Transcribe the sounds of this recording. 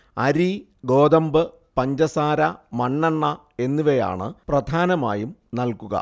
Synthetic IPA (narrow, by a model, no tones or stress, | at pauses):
ɐɾi | ɡo̞ːd̪ɐmbɨ | pɐɲd͡ʑɐsaːɾɐmɐɳːɐɳːɐ | e̞nːuʋeja̰ːɳɨprɐd̪ʱaːnɐma̰ːjumnɐlkuɣɐ̰